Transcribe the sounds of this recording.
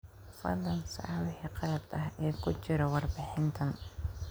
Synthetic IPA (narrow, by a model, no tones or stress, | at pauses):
fɐ̰d̪ɐnsɐ̰lɪhɛqɑɾɐd̪ɐɦɛːkʰʊt͡ʃɪɾɔwɑrbɪħɪnt̪ʰɐn